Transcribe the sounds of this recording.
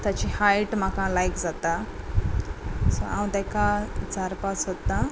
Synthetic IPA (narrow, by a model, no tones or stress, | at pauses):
t̪jat͡ɕihajʈm̤akãlajkd͡zat̪a | so̰ãwd̪ɛkad͡zaɾpat͡sɦot̪ːa